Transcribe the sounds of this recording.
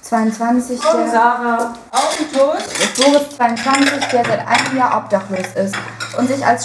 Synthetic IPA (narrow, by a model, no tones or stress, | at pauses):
t͡sv̥aɪʊntt͡sv̥ant͡sɪç̥zaːʁaʔaʊtʰoːtb̥oːʁəst͡sv̥aɪʊnt͡sv̥ant͡sɪçd̥eːɐzaɪtʔa̰ɪnəmjaːɐʔɔp̚d̥aχloːsɪstʔʊntz̥ɪça̰ls